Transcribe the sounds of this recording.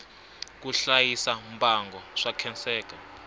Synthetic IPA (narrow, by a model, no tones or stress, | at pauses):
k̬uɬajisambʱaŋɡɔʂakʰɛnt͡sɛːka